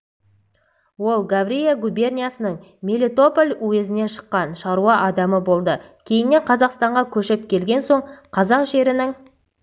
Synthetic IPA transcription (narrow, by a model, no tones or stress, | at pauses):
wo̞lˠɡavrʲijeɡubʲe̞rnʲijasənəɴ | mʲelʲet̪o̞polʲuwe̞zɪne̞ʃə̥qːɑnʃɑɾuɑʔɑd̪ɑməbo̞lˠd̪əkʲʰe̞jɪnːe̞ɴqʰɑzɑqst̪ɑɴʁɑkʲʰɵʃɪp̚kʲʰe̞lɡʲe̞nso̞ɴqʰɑzɑqʒe̞ɾɪnɪɴ